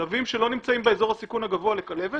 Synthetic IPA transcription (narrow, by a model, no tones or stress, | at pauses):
avimʃe̞lo̞nimt͡saimbeezo̞ʁhasikunhaɡavoale̞kale̞ve